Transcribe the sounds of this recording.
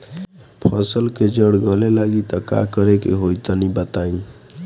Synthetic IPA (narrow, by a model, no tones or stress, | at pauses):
pʰəsəlked͡ʒəɽɡəlelaɡit̪əka̰kəɾekḛɦojt̪ənibət̪aĩ